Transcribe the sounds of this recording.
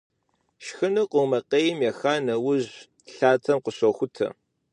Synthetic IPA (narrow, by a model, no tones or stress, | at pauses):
ʃxɨnɨqʷʊmɐqeːjɪmjɛxaːnɐwʊʑ | ɬaːtʰɐmqʷʊɕɐxʷʊtʰɐ̰